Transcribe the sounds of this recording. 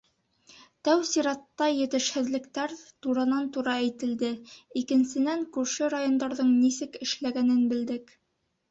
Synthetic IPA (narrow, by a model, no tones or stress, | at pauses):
t̪æwsiɾɑt̪ːɑjɘ̆t̪ɘ̆ʃhɘ̆ðlɘ̆kt̪æɾt̪uɾɤnɑnt̪uɾɑæjt̪ɘ̆ld̪ɘikɘ̆nsɘ̆næŋkʉɾʃɘɾajond̪ɑɾðɤɴnisɘkɘ̆ʃlæɡænɘnbɘ̆ld̪ɘk